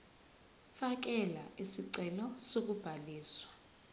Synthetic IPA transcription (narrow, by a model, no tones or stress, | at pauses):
fak̬ɛlaisiǀɛlɔsok̬ub̥ʱaliːswḁ